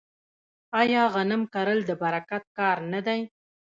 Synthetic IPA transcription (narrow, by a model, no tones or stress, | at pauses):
ɑjɑɣanəmkaɾəld̪əbaɾakat̪̚kɑɾnad̪aj